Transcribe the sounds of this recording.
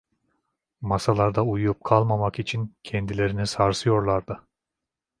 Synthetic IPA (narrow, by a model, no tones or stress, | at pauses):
masalˠaɾd̪aujup̚kʰalˠmamakit͡ʃʰincʰɛnd̪ilʲe̞ɾinisaɾsɯjo̞ɾlˠaɾd̪ɯ